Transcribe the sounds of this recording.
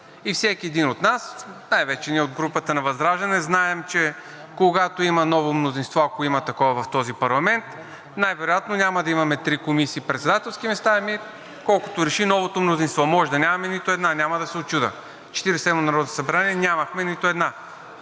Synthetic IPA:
ifsɛkʲiɛd̪inot̪nasnajvɛt͡ʃɛniɛod̪ɡɾupət̪ənɐvɐzd̪ɾaʒd̪ɐnɛznaɛmt͡ʃɛ | koɡat̪oimɐnɔvomnozinst̪vɔɐkoimɐt̪ɐkɔvɐvɐft̪ɔzipɐɾlˠɐmɛnt̪ | najvɛɾojat̪nonʲamɐd̪ɐimɐmɛt̪ɾikomisiːpɾɛt̪sɛd̪at̪ɛlˠskimɛst̪aɛmi | kɔlˠko̥t̪oɾɛʃinɔvot̪omnozinst̪vɔmɔʒɛd̪ɐnʲamɐmɛnit̪ʊɛd̪nanʲamɐd̪ɐsɛot͡ʃud̪ə̰ | t͡ʃɛ̥t̪iɾisɛd̪monɐɾɔd̪osɐbɾaniɛnʲamɐxmɛnit̪ʊɛd̪na

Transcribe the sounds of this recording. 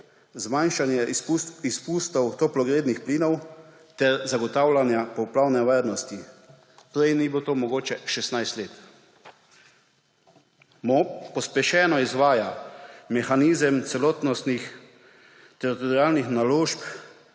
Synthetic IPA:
zmanʃanjɛispuːst̪ɔwt̪ɔplɔɡɾeːd̪nixpliːnɔw | t̪ɛɾzaɡɔt̪awlanjapɔwpɾawnɛʋaːɾnɔst̪i | pɾɛjnibot̪oːmɔɡoːt͡ʃɛʃɛsnajst̪leːt̪ | mɔpɔspjɛʃɛːnɔizʋaːjamɛxaniːzəmt̪sɛlɔːt̪nɔst̪nix | t̪ɛɾit̪ɔɾiaːlnixnaloːʃp

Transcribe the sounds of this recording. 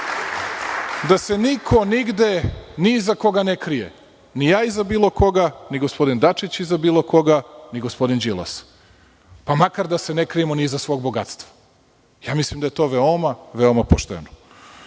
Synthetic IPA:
d̪ase̞nikʰo̞niɡd̪e̞nizako̞ɡanekɾijḛ | nijaːizabiːlˠo̞ko̞ɡaniɡospo̞d̪ind̪at͡ʂit͡ɕizabiːlˠo̞ko̞ɡaniɡospo̞d̪ind͡ʑilˠa̰s | pamakaɾd̪ase̞nekɾijemonizasʋo̞ːɡ̚bo̞ɡa̰t̪st̪vʋḁ | jaːmislˠimd̪ajet̪o̞ʋeomaʋeomapoʃt̪ḛno

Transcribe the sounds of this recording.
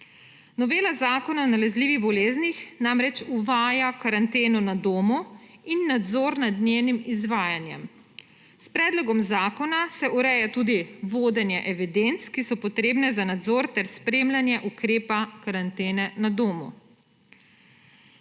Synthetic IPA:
nɔʋeːlazaːkɔnawnalɛzliːʋiɣbɔleːznixnamɾɛt͡ʃuʋaːjakaɾant̪eːnunad̪oːmuinːad̪zoːɾnad̪njewnimizʋaːjanjɛ̰m | spɾɛːd̪lɔɡɔmzaːkɔnasɛʔuɾɛjat̪uːd̪iʋoːd̪ɛnjɛʔɛʋid̪ent̪skisɔpɔt̪ɾeːbnɛzanad̪zoːɾt̪ɛɾspɾemlanjɛʔukɾeːpakaɾant̪eːnɛnad̪oːmṵ

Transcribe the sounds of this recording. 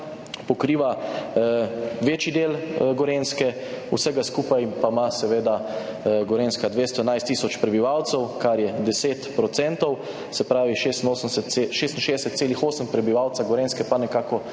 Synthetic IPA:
pɔkɾiːʋa | ʋet͡ʃid̪eːlɡɔɾẽnskɛ | ṵsɛɡaskuːpajpamasɛʋeːd̪aɡɔɾenskad̪ʋeːst̪ɔɛnajst̪ːiːsɔt͡ʃpɾɛbiʋawt̪sɛwkaɾjɛd̪ɛseːt̪pɾɔt̪sɛ̃nt̪ɔw | sɛpɾaːʋiʃest̪noːsənsɛt̪ʃeːst̪n̩ʃeɛsɛt̪seːlixoːsəmpɾɛbiʋaːwt̪saɡɔɾenskɛpanɛkaːkɔ

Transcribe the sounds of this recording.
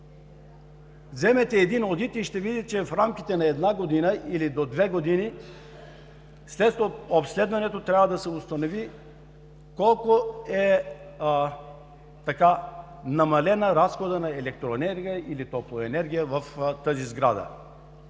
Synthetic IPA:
zɛmɛt̪ɛːd̪inod̪it̪iʃt̪ɛvid̪itt͡ʃɛfɾamkʲit̪ɛnɐɛd̪naɡod̪inəʔilid̪od̪vɛɡod̪ini | slɛt̪t̪oopslɛd̪vɐnɛt̪ot̪ɾʲjavəd̪ɐsɛʊst̪ɐnovi | kɔlˠkoɛ | t̪ɐka | nɐmɐlɛnəɾasxod̪ənɐɛlɛk̚t̪ɾoɛnɛɾɡʲijəilit̪ɔplˠoɛnɛɾɡʲijəvɐft̪əzizɡɾad̪ə̰

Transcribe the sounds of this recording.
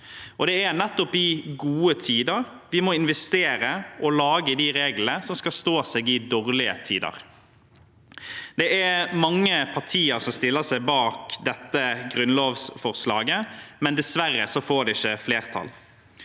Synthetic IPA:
ʔɔd̪ɛæɾnɛt̪ːɔpɪɡuːət̪ʰiːd̪əɾʋɪmɔɪnʋɛst̪eːɾəʔɔlɑːɡəd̪iɾeːɡlənəsɔmskɑlst̪oːseːɡɪd̪oːʁlɪə̰t̪ʰḭːd̪ə̰ɾ | d̪̥ɛʔæmɑŋːəpʰɑʁʈʰiːəɾsɔmst̪ɪlːəsæɪbɑːkd̪ɛt̪ːəɡɾʉnloːʋsfɔʁslɑ̰ːɡəmɛnd̪ɛsʋærːəsɔfoːɖɛɪçːəfleːɾt̪ʰɑ̰l

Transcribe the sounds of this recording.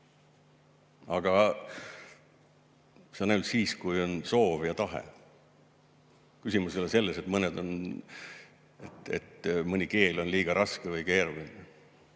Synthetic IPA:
ɑɡ̥ɑ | senːæylt̪siːskujo̞nso̞ːvjɑt̪ɑɦḛ | kysʲimusolese̞lːese̞t̪mɤned̪o̞n | et̪ḛt̪mɤnʲike̞ːlo̞nliːɡ̥ɑɾʔɑskevɯjke̞ːrvin

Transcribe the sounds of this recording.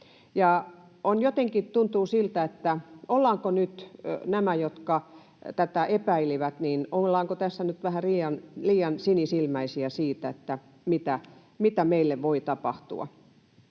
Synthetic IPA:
jɑˑ | onjot̪eŋkitt̪unt̪uːsilt̪æet̪ːæolːɑːŋkonyt̪næmæjot̪kɑ | t̪æt̪æepæiliʋæt̪niːnolːɑːŋkot̪æsːænyt̪ʋæhæriːjɑnliːjɑnsinisilmæisiæsiːt̪æet̪ːæ | mit̪æ | mit̪æmeilːeʋʋoit̪ɑpɑht̪ṵɑ̰

